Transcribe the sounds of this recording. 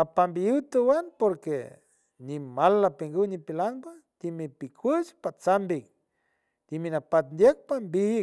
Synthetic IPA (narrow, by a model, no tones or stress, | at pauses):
apambiɨwt̪əwanpoɾkḛ | nimalːapeŋɡuwnipilaŋbad̪̥imipikʰwɨt͡ʃpat͡sambik | d̪̥iminapat̪̚nd̪jek̚pambihik